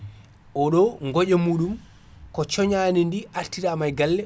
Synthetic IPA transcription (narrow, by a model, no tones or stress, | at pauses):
ʔɔɗɔŋɡɔʄɛmuːɗum | kɔt͡ʃɔɲaːnindiʔaɾtiɾamajɡalːɛ